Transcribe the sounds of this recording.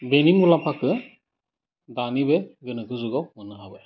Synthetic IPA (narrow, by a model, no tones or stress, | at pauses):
benimulapʰakʰɯ | danibeɡɯnɯkʰɯzuɡɔmɯnɯɦabɯ